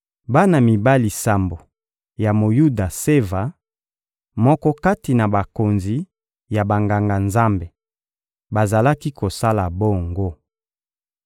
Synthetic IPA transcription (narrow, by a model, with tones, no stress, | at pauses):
ba˦na˨mi˨ba˦li˨sa˨mbo˨ | ja˨mo˨ju˦da˨se˦va˨˦ | mɔ˦kɔ˦ka˦ti˨na˨ba˨ko˨nzi˨ | ja˨ba˨ŋɡa˨ŋɡa˨nza˦mbe˨ | ba˨za˨la˦ki˦ko˨sa˦la˨bo˦˨ŋɡo˦